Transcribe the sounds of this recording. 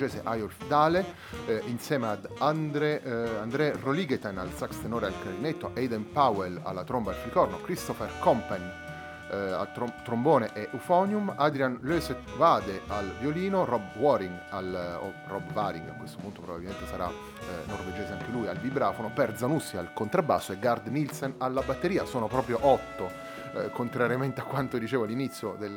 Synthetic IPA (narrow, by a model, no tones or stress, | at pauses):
d͡ʒɛːzeʔajolfd̪aːle | insjɛːmead̪and̪ɾɛand̪ɾɛroliɡet̪ana̰lsakst̪enoːɾealkaɾinet̪ːoʔejd̪enpawela̰lːat̪ɾombaalflikɔrnokɾist̪ɔferkɔmpɛn | a̰t̪ɾot̪ːɾomboːneʔɛʔufɔnjumad̪ɾianløset̪vaːd̪ealvjoliːnorɔbwɔɾiŋɡalo̰ | rɔbvaɾiŋkiŋkwest̪omoment̪opɾobabilment̪esaɾa̰ | nːorved͡ʒeːzeaŋk̟elujalbibɾaːfonopɛrd̪zanusːialkont̪ɾabːa̰ːsːoɛɡard̪nilsenalːabat̪ːeɾiːasoːnopɾɔːpɾjoʔɔt̪ːo | kʰont̪ɾaɾjament̪eakːwant̪od̪it͡ʃeːvoalːinit̪sːjod̪el